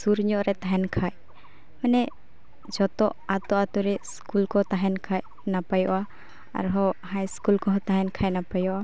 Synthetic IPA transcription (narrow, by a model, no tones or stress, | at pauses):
suɾɲɔʔɾɛt̪aɦɛnkʰaj | manɛ | d͡ʒɔt̪ɔʔat̪ɔʔat̪uɾɛskulkɔt̪aɦɛnkʰaj | napajɔʔa | a̰ɾɦɔhajskulkɔɦɔt̪aɦɛnkʰajnapajɔʔa